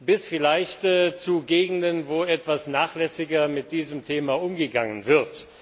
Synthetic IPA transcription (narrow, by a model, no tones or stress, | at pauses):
b̥ɪsfɪlaɪçtːt͡suɡeːɡŋ̩dənvoːɛtv̥asnaːχlɛsɪɡɐmɪt̚d̥iːzəmtʰeːmaʔʊmɡəɡaŋənvɪɐt